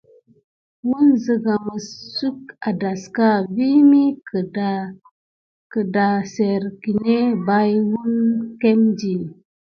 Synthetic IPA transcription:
wu˦nzə˨ɡa˨mə˨ssu˦ka˨da˨ska˦˨vi˦mi˦ka˨ | kə˨da˨se˨ɾki˨ne˦ba˦jwu˦nke˦md͡ʒi˨

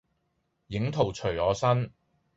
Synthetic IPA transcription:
jɪ˨˥ŋt̪ʰo˨˩wt͡ʃʰɵ˨˩ɥɔː˨˧sɐ˥n

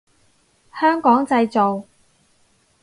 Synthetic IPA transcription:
hœː˥ŋkɔː˨˥ŋt͡sɐ˧jt͡so˨w

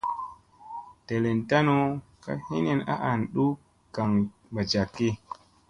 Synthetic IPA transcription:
te˨le˨nta˦no˦ | ka̰˦hi˦ne˨na̰˦ʔa˨nɗu˦ | ka˨ŋ | ba˨t͡ʃa˨kːi˦

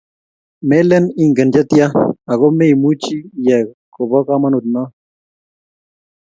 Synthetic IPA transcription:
me˦lɛ˦ni˦ŋɡə˨nd͡ʒa˦t̪ja˦a˨ɣo˦me˦i˨mu˦t͡ʃi˦jɛ˨ | ko˨bɔ˦ka˦ma˦nu˨t̪̚na˦

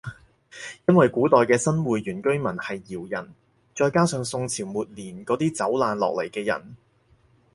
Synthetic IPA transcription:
jɐ˥nwɐ˨jkuː˨˥t̪ɔː˨jkɛː˧sɐ˥nwuː˨jjyː˨˩nkɵ˥ɥmɐ˨˩nhɐ˨jːiː˨˩wjɐ˨˩n | t͡ʃɔː˧jkaː˥sœː˨˧ŋsʊ˧ŋt͡sʰiː˨˩wmuː˨t̚liː˨˩nkɔː˨˧˥t̪iː˥t͡sɐ˨˥wlaː˨˧nlɔ̰ː˨k̚lɐ˨˩jkɛː˧jɐ̰˨˩n

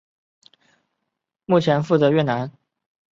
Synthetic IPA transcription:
mu˥˩t͡ɕʰjɛ˧˥nfu˥˩t͡sɤ˧˥ɥɛ˥˩na˧˥n

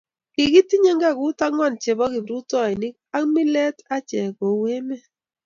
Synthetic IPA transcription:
kɪ˨ki˦ti˦ɲe˦ŋɡa˦˨kʊ˦ta˦ŋwa˦˨nt͡ʃe˨bɔ˦kɪ˨bɾu˦tɔ˦˨i˨nɪ˦k̚a˦kmi˦lɛ˦ta˦t͡ʃɛ˨ko˨we˦me˦

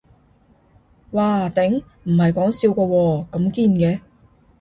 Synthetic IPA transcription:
waː˨˩t̪ɪ˨˥ŋ | m̩˨˩hɐ˨jkɔː˨˥ŋsiː˧wkɔː˧wɔː˧kɐ˨˥mkiː˧nkɛː˨˧

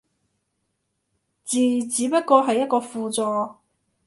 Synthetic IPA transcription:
t͡siː˨t͡siː˨˥pɐ˥t̚kɔː˧ɦɐ˨jːɐ˥t̚kɔː˧fuː˨t͡sɔː˨˧

